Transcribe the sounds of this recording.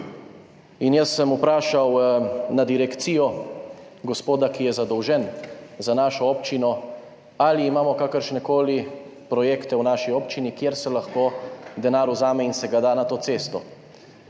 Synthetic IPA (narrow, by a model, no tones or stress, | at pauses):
injəsːəmupɾaːʃawnad̪iɾɛkt̪sijɔ | ɡɔspoːd̪akijɛzad̪ɔwʒɛnzanaːʃɔɔːpt͡ʃinɔ | aliːmaːmɔkakəɾʃnɛkoːlipɾɔjeːkt̪ɛwnaʃiɔːpt͡ʃinikjeɾsɛlaxkoːd̪ɛnaːɾuzaːmɛinsɛɡad̪aːnat̪oːseːst̪ɔ